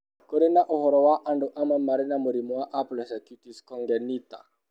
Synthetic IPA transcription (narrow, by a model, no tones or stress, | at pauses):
koɾinaʔuhɔɾɔwaʔanduʔamamaɾinamuɾimuwaʔaplɔsɛkjutiskɔŋɡɛnita̰